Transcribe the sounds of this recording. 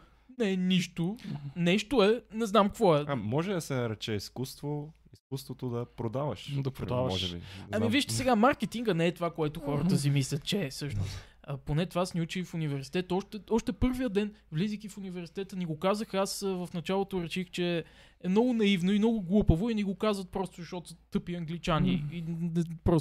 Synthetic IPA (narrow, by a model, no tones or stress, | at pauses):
nɛniʃt̪onɛʃt̪oɛnɛznamkvɔɛamːɔʒɛd̪ɐsɛnɐɾɛt͡ʃɛiskust̪vo | iskust̪vot̪od̪ɐpɾod̪avə̰ʃd̪ɐpɾod̪avəɔʒɛbḭaiviʃt̪ɛ̥sɛɡamaɾkɛt̪iŋɡənɛɛt̪ovakoɛt̪oxɔɾət̪əs̬imislʲɐt̪̚t͡ʃɛsɤʃno̰st̪ | əponɛt̪ovaasniut͡ʃifunivɛɾsi̥t̪ɛt̪ɔʃt̪ɛɔʃt̪ɛpɤɾvijəd̪ɛnvlizik̪ifunivɛɾsi̥t̪ɛt̪əniɡokazəxasvɐfnɐt͡ʃalˠot̪oɾɛʃixt͡ʃɛ | ɛmnɔɡʊnɐivnoimnɔɡʊɡlˠupəvʊinɛɡokazvət̪̚pɾɔst̪ʊzɐʃɔt̪ot̪ɤpiɐŋɡlit͡ʃaniiɛpɾɔ